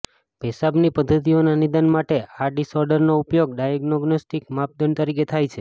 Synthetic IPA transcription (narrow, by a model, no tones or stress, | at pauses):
bʱɛsabnipəd̪ʱːət̪̬ionanid̪ənmaʈeaɖisɔɾɖəɾnoupjoɡɖajəɡnoɡnosʈikmap̚d̪ənt̪əɾik̬et̪ʰajt͡ʃʰe